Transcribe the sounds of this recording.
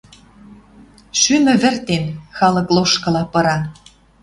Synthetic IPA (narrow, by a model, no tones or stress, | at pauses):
ʃymɘ̆βɘ̆rt̪enxɑlɤ̆kloʃkɤ̆lɑpɤ̆ɾɑ